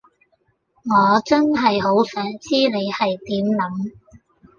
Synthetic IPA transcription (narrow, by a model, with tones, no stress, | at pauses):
ŋɔː˨˧t͡sɐ˥nɦɐ˨jɦo˨˥wsœː˨˥ŋt͡siː˥ne˨˧jhɐ˨jt̪iː˨˥mlɐ˨˥m